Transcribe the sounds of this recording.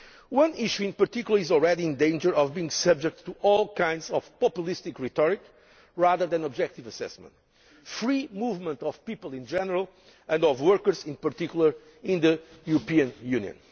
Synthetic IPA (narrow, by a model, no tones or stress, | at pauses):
wʌ̃niʃuɪ̃npə˞t̪ikjulˠəizɔlˠɹɛdiɪ̃nd̪ẽɪ̃nd͡ʒə˞ɔvbiĩŋsʌb̚d͡ʒɛk̚tʰːuʔɔlˠkʰãj̃ndzɔv̥pɔpjulˠist̪ikɹit̪ɔɹik | ɹaðə˞ðɨ̃nɔbd͡ʒɛk̚t̪ivəsɛ̰smə̰̃nt̪ | fɹimuvmə̃ntɔv̥pipəlˠĩnd͡ʒɛnəɹəlˠ | ɨ̃ndɔvwəɹkə˞zĩnpəɾt̪ikjulˠə˞ | ɪ̃nðɨjuɾɔpiɨ̃njũnjɨ̰̃n